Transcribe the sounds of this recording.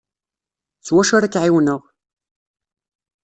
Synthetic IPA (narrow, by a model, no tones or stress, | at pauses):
t͡sːwæʃaɾækːʕiwnəʁ